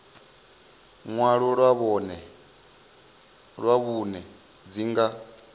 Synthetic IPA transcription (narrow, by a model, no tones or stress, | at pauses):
ŋwaɺɔɺwaβɔnɛ | ɺwaβunɛ | d͡ziŋɡa